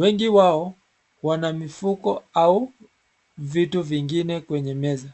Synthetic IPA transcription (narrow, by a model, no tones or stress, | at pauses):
wɛŋɡiwaɔ | wanamifukɔau | vituviŋɡinɛkwɛɲɛmɛza